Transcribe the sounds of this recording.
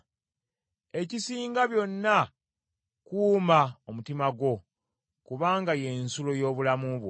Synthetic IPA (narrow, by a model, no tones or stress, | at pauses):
e̞cisiːŋɡaβjo̞nːa | kuːmaomutimaɡwo̞ | kuβaːŋɡaje̞nsulo̞jo̞ːβulamuβwo